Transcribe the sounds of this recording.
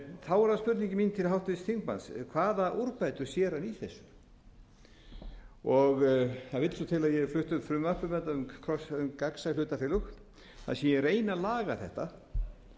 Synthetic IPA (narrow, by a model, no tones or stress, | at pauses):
θawɛɾaðspʏɾt̪niŋcɪmint̪ʰɪlɦawht̪ɪðɪst̪ʰiŋkma̰nskʰvaːðaʔuɾpajt̪ʏɾ̥sjɛːɾaniθɛsːʏ | ɔɣθaðvɪt̪sɔt̪ʰɪlaðjɛɛɾflʏht̪ʏfɾʏmapʏmɛnt̪aʏmkʰɾɔsʏmkaksalʏːt̪afɪlʏx | θa̰ðsɛɛɾeːjnalaːɣaθɛ̰ht̪a